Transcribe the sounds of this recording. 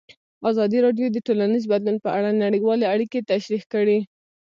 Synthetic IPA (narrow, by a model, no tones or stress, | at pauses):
azɑd̪iɾɑɖjod̪əʈolanizbad̪lunpəʔaɽanaɽiwɑleaɽiket̪aʃɾixkəɽi